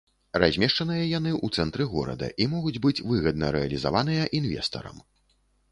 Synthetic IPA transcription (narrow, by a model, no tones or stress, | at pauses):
razʲmʲɛʂt͡ʂɐnɨjɐjan̪ɨʔut̪sɛnt̪ɾɨɣɔ̰ɾɐ̰d̪ɐ̰ʔimɔɣud͡zʲbɨt͡sʲvɨɣɐd̪̚nɐɾɛɐlʲiza̰vanɨjɐʔinvʲɛ̰st̪ɐ̰ɾɐ̰m